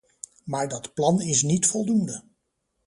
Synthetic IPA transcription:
maːɹdɑtplɑnɪsnitfɔlˠdundə

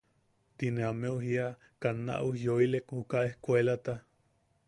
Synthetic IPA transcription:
t̪ineameuɦia | kanːa̰ʔuhjoilekhukaehkʷelat̪a

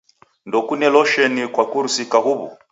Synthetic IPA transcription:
ndɔkunɛlɔʃɛnikwakuɾusikaɣuβṵ

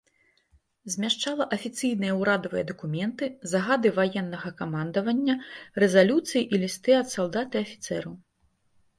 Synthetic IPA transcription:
zʲmʲaʂt͡ʂalˠɐʔɐfʲit̪sɨjnɨjɐwɾad̪ɐvɨjɐd̪ɐkumʲɛnt̪ɨzɐɣad̪ɨvajɛnːɐɣɐkamand̪ɐvɐnʲːɐrɛzalʲut̪sɨjiʔilʲist̪ɨɐt̪salˠd̪at̪ɨɐfʲit̪sɛɾɐw

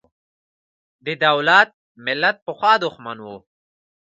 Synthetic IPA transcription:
d̪əd̪awlat̪̚ | mɪlːat̪̚pəxwɑːd̪ʊxmanwo

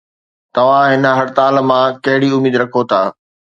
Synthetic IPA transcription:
t̪ɐʋ̤ãɦɪnəɦɐɾt̪aːl̆mãkɐɦɪɽiʊmiːd̪ɾɐkʰot̪ʰaː

